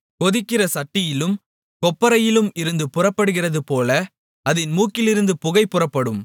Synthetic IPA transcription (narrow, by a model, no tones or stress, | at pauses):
kɔðɪkːɪrɐsɐʈːɪjɪlɯm | kɔpːɐɾɐjɪlɯmɪɾɯnd̪ɯpʊrɐpːɐɽɯɣɪrɐðɯpoːlɐ | ɐðɪnmuːkɪlɪɾɯnd̪ɯpʊɣɐɪpːɯrɐpːɐɽɯm